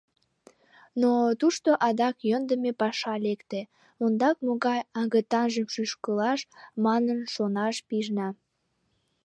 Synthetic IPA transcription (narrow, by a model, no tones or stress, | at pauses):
not̪uʃt̪oʔɑd̪ɑkjənd̪əmepɑʃɑlekt̪e | ond̪ɑk̚moɣɑjɑŋɡət̪ɑnʒəmʃyʃkəlɑʃmɑnənʃonɑʃpiʒnɑ